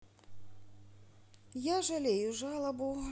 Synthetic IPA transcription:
jaʐalʲejuʐalˠɐbu

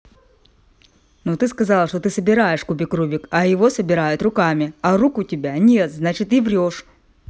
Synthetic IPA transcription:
nut̪ɨskɐzalˠʂt̪o̞t̪ɨsəbʲɪɾajɪʂkubʲɪkɾubʲɪkɐjɪvosəbʲɪɾajʊt̪rʊkamʲɪɐrukʊtʲɪbʲanʲet̪znat͡ɕɪt̪ɪvɾʲoʂ

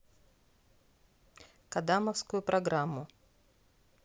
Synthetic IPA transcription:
kɐd̪amɐfskʊjʊpɾʔɐɡɾamːʊ

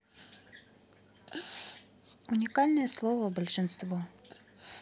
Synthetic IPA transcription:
ʊnʲɪkalʲnɨjəslˠɔvəbəlʲʂɨnst̪vɔ

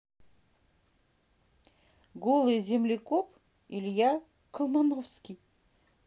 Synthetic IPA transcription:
ɡolˠɨzʲemlʲekop | ilʲjɑ | kʰəlˠmanofskʲij

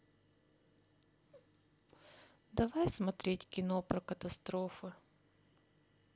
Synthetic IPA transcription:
d̪ɐvajsmɐt̪ɾʲetʲkʲɪnopɾɐkɐt̪ɐst̪ɾofɨ

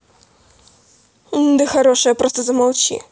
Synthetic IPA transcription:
d̪ɨxaɾɔʂɨjɐpɾɔst̪ɐzɐmawt͡ɕʲḭ

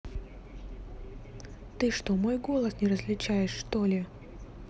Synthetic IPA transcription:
t̪ɨʂt̪omo̞jɡo̞lˠəsnʲɪɾəzlʲɪt͡ɕæjɪʂːt̪olʲɪ

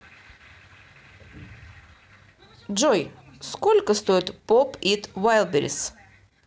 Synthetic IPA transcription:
d͡ʒojskolʲkəst̪oɪt̪popit̪vajlˠbʲɪɾʲɪ̰s

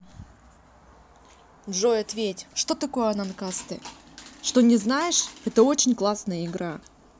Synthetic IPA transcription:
ʐo̞jɐt̪vʲetʲʂt̪o̞t̪ɐko̞jəɐnankast̪ɨ̰ | ʂt̪o̞nʲɪznajɪʂɛt̪əo̞t͡ɕɪnʲklˠasnəjəɪɡɾa

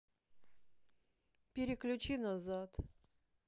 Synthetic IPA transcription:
pʲɪɾʲɪklʲʉt͡ɕinazat̪

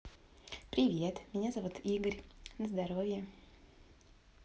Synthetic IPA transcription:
pɾʲɪvʲet̪mʲɪnʲazavut̪iɡəɾʲnəzd̪aɾovʲjɛ

